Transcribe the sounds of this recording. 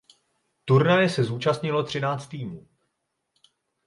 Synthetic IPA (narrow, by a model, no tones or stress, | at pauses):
t̪uɾnajɛsɛzuːt͡ʃast̪ɲɪlo̞t̪r̝̥ɪnaːt͡st̪ːiːmuː